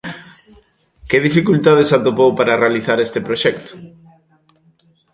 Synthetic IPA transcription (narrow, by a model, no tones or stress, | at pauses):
keðifikult̪aðesat̪opowpaɾarealiθaɾest̪ɪpɾoʃɛkt̪ʊ̥